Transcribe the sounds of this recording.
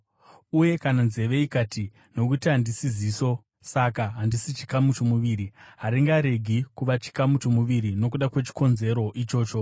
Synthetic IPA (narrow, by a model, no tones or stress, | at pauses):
uje̞kananze̞ʋe̞ikati | no̞kutiɦandisiziːso̞ | sakaɦandisit͡ʃi̥kamut͡ʃomuʋiːɾiɦaɾiŋɡaɾe̞ɡʱikuʋat͡ʃi̥kamut͡ʃomuʋiɾino̞k̬uɗakwe̞t͡ʃi̥ko̞nze̞ɾo̞ʔit͡ʃo̞ːt͡ʃo̞